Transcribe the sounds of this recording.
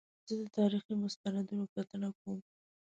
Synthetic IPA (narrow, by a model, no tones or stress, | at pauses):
z̥əd̪ət̪ɑɾiximʊst̪anad̪unokat̪ənakwum